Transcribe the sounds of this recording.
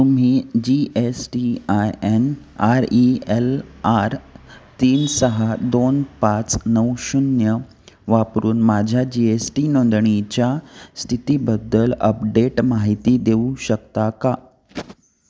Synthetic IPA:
t̪um̤iːd͡ʑiesʈiajen | aɾielaɾt̪iːnsəɦad̪onpat͡snəwɕunjə | ʋapɾuːnmad͡ʑʱjad͡ʑiesʈinond̪ɳ̃it͡ɕjast̪ʰit̪ibəd̪ːələ̰pɖeʈmaɦit̪id̪eũɕək̚t̪aka

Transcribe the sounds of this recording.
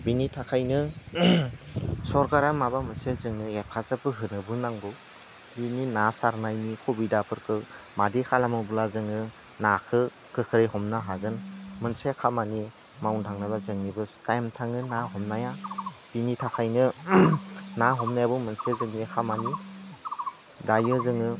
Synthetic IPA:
binitʰakʰajnɯ | sɔɾkaɾamabamɯnsezɯŋnɯepʰazapɯɦɯnɯbɯnaŋɡɯw | bininasaɾnajnikʰobidapʰɯɾkʰɯ | madikʰalamɯbulazɯŋɯ | nakʰɯ | kʰɯkʰɯɾɯjhɔmnaɦaɡɯnmɯnsekʰamani | mawntʰaŋnaβazɯŋnibɯtajmtʰaŋɯnaɦɔmnajab̥initʰakʰajnɯ | naɦɔmnajabɯmɯnsezɯŋniakʰamani | dajɯzɯŋɯ

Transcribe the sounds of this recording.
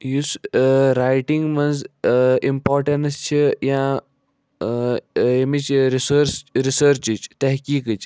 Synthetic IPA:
jusɾaːjʈiŋɡmɐnzimpɔːɾʈɐnst͡ʃʰijã | jemit͡ʃɾisəɾsɾisəɾt͡ʃit͡ʃt̪ɐɦkiːkɨt͡ʃ

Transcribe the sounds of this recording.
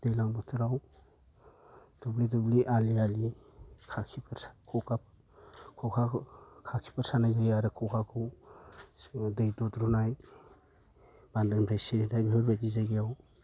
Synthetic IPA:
d̥ejlaŋbɔtʰɯɾaw | d̥ublidubliʔaliali | kʰakʰipʰɾkʰɔka | kʰɔkʰakʰakʰi̥pʰaɾsanajzaɡiaɾɯkʰɔwkʰakʰɯw | dɯjdɔtɾunaj | b̥andampʰɾajseɾitʰajbiɦɔɾbadizaɡiaw

